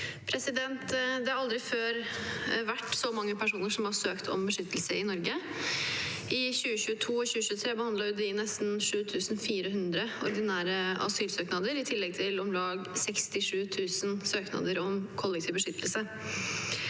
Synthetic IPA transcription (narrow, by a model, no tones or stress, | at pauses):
pʰɾɛsɪd̪ɛnt̪d̪ɛɑɾɑld̪ɾɪføːɾʋæʈːsɔmɑŋːəpʰæʂuːnəʂɔmhɑsøːkt̪ʰɔ̰mbəʂʏt̪ːəlsəɪnɔɾɡə | ɪɕʉːəɕʉːət̪ʰuːɔɕʉːəɕʉːət̪ʰɾeːbəhɑnd̪lɑɾjʊd̪ɪnɛst̪n̩ʂʉːt̪ʰʉːsn̩fiːɾəɦʉnd̪ɾəɔ̰ɾd̪ɪnæːɾəɑ̰syːlsøːknɑd̪əɾɪt̪ʰɪlːɛɡ̚t̪ʰɪlɔmlɑːɡsɛkst̪ɪʂʉːt̪ʰʉːsənsøːknɑ̰d̪əɾɔmkʰɔlːɛk̚t̪ʰiːʋbəʂʏt̪ːəlsə